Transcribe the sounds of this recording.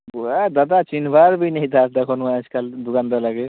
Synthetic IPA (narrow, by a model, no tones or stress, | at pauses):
ad̪ad̪at͡ʃinbʱaɾbineɦĩd̪ʰaɾd̪ɛkʰɔnuaskald̪ukand̪alaɡe